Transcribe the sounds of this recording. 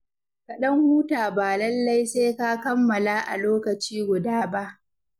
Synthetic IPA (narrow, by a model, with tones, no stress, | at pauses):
kɐ˨ɗɐ˦ŋhuː˦taː˨baː˨lɐ˦lːa˦jseː˦ka˦kɐ˦mːɐ˨laː˦ʔa̰˨loː˦kɐ˨t͡ʃiː˦ɡʷʊ˨daː˦ba˦ʔ